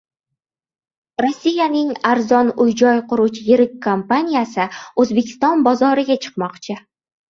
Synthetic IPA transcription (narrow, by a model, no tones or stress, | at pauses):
ɾosːijanɪŋaɾzɒnʊjd͡ʒɒjqʰʊɾut͡ʃʰɪjɪɾɪk̚ʲkʰːompanijasɪɵzbe̞kʲʰɪ̥st̪ɒnbɒzɒɾɪɡʲat͡ʃʰɨ̥q̚mɒqt͡ʃʰɪ